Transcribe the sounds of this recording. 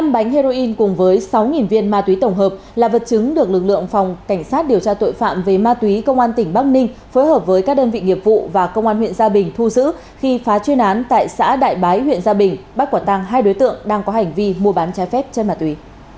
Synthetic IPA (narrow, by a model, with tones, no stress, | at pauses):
na˧mɓa˨˦jŋ̟he˧zo˧ʔi˧nkʊ˨˩ŋ͡mvəː˨˦jsa˨˦wŋi˨˩nvi˧ənmaː˧t̪wi˨˦t̪ə˧˩wŋ͡mɦəː˨˩p̚laː˨˩və˨˩t̚t͡ɕɨ˨˦ŋɗɨ˨˩ək̚lɨ˨˩k̚lɨ̰˧˨əŋfa˨˩wŋ͡mka˧˩ŋ̟saː˦˥t̚ɗi˨˩əwt͡ɕaː˧t̪o̰˧˨jfa̰ː˧˨mve˨˩maː˧t̪wi˨˦kə˧wŋ͡mʔaː˧nt̪ï˧˩ŋ̟ɓa˦˥k̚nï˧ŋ̟foː˨˦jɦəː˨˩p̚vəː˨˦jkaː˦˥k̚ɗəː˧nvḭ˧˨ŋi˨˩əp̚vṵ˧˨vaː˨˩kə˧wŋ͡mʔaː˧nhwḭ˧˨ənzaː˧ɓï˨˩ŋ̟t̪ʰu˧zɨ̰˧˥ | xi˧faː˨˦t͡ɕwi˧ənʔaː˨˦nt̪a̰ː˧˨jsa̰ː˧˥ɗa̰ː˧˨jɓaː˨˦jhwḭ˧˨ənzaː˧ɓï˨˩ŋ̟ɓa˦˥kwaː˧˩t̪a˧ŋɦaː˧jɗo˨˦jt̪ɨ̰˧˨əŋɗaː˧ŋkɔ˨˦ɦa˨˩jŋ̟vi˧mu˧əɓaː˨˦nt͡ɕaː˨˦jfɛ˦˥p̚t͡ɕe˧nmaː˧˩t̪wi˨˦